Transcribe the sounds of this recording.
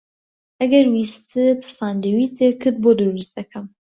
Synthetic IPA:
ɐɡɐɾwist̪ʰɨt̪ʰɨ̥sɑːnd̪ɨwiːt͡sekʰɨd̪̚bod̪ɨɾɨst̪̚d̪ɐkʰɐm

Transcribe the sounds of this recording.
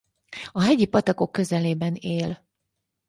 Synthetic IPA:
ɒɦɛɟipɒt̪ɒko̞kːø̞zɛleːbɛneːl

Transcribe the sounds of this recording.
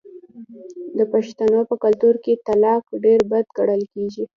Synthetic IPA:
d̪əpaʃt̪anopəkalt̪uɾket̪alɑkɖeɾbad̪ɡaɽəlkeʒi

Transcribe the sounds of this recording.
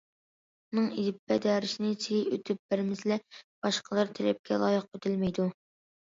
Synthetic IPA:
unɨŋid̪ɪpʰːɛd̪ɑːɾɪʃinɪt͡ʃʰijiøt̪ʰyp̚b̥ɪɾmɪzlɛb̥ɑʃqʰəlˠɨɾt̪ʰeɾɛp̚kʲɛ̰lˠɑ̰ːjəq̚øt̪ʰɪlmɛjd̪u

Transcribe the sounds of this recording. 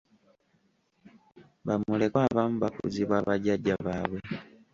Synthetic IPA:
βamule̞kwaːβamuβakṵziβwaβaɟaɟːaβaːβwe

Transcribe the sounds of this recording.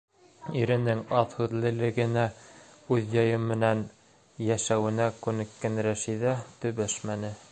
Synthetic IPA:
iɾɘ̆nɘŋɑðhʉðlɘ̆lɘ̆ɡɘ̆næʉðjɑjɤmːɘ̆næn | jæʃæwɘ̆nækʉnɘ̆kːænɾæʃiðæt̪ɵ̆βæʃmænɘ

